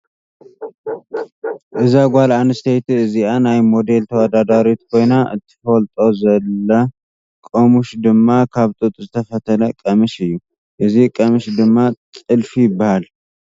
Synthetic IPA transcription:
ʔɨzaɡʷalanɨst̪ʰejt̪ɨzianajmo̞d̪e̞lt̪ʰəwəd̪ad̪aɾot̪kʰo̞jnaʔɨ̰t̪ʰːɨ̥fəlt̪ʼozɐlːə | kʼomuʃd̪ɨmːakʰaβt̪ʼɨt̪ʼzɨt̪ʰəfət̪ʰələkʼəmɨʃɨjːu | ʔɨzikʼəmɨʃd̪ɨmːat̪ʼɨlfijɪbːahal

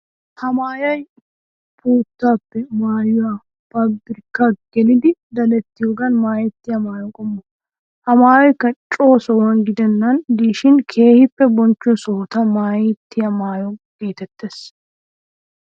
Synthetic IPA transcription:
hɐmaːjɐj | buːt̪ːaːpːɛmaːjʊwɐ | pɐbɾɪkːaɡ̥ɛlɪd̪ɪd̪ɐlɛt̪ːɪjɔɡɐnmaːjɛt̪ːɪjɐmaːjɔkʼɔmːɔ | hɐmaːjɔjkːɐt͡ʃʼo̞ːsɔwɐnɡɪd̪ɛnːɐnd̪iːʃɪnkʰe̞ːhɪpːɛbɔnt͡ʃːɔsoːt̪ɐmaːjɛt̪ːɪjɐmaːjɔɡ̥e̞ːt̪ɛt̪ːeːs

